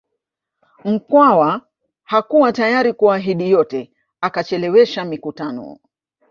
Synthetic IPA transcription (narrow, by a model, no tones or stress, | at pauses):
m̩kwawa | hakuwatajaɾikuaɦiɗijɔtɛ | akat͡ʃɛlɛwɛʃamikutanɔ̰